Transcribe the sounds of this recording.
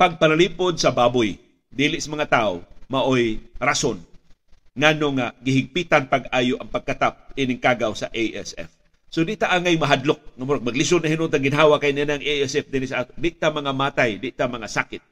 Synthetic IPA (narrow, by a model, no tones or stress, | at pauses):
paɡ̚panaliːpod̪̚sɐbaːbʊj | d̪iːlɪʔsamɐŋat̪ao̰maʔojɾason | ŋanoŋaɡɪɦɪɡ̚pit̪anpaɡaːjoʔɐŋpaɡ̚kat̪ap̚inɪŋkaːɡawsaʔejʔɛ̰sɛ̰f | sod̪ɪʔt̪aʔaŋajmɐɦad̪lʊk̚ŋamʊɾaɡ̚mɐɡlɪsod̪naɦinʊnt̪aɡɪnɦaːwakajnianaaŋeɛsɛfd̪ɪnisaʔaːt̪od̪ɪʔt̪amɐŋamaːt̪ajd̪ɪʔt̪amɐŋasaːkɪt̪̚